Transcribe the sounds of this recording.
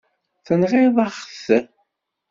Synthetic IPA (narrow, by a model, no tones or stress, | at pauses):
θənʁɪðˤɑχθ